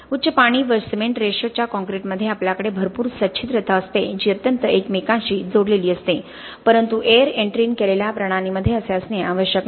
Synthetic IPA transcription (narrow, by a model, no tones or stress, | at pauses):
utːɕəpaɽ̃iːʋəɾsmeɳʈɾeɕot͡ɕjakɔ̃ŋkɾeʈməd̪ʱːjeapljakəɽebʱəɾpuːɾsətːt͡ɕʰit̪ɾət̪ʰaəst̪ed͡ʑiːət̪jənt̪əekmekãɕiːd͡zoɽleliːəst̪e | pəɾənt̪uʔeɾeɳʈɾiːnkeleljapɾəɽ̃aɽ̃iməd̪ʱːjeəseəsneaʋəɕjək